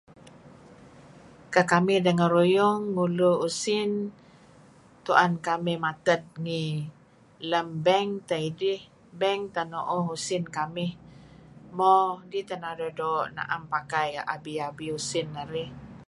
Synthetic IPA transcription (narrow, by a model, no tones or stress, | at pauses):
kakamɪhdəŋəɾujʊŋːuluusɪn | t̪uʔankamɪhmat̪ət̪̚ŋi | ləmbɛŋt̪aidɪh | bɛŋt̪anoʔɔɦusɪnkamɪh | mɔdit̪ənaɾədoʔna̰ʔampakajʔa̰biabiusɪnːəɾɪh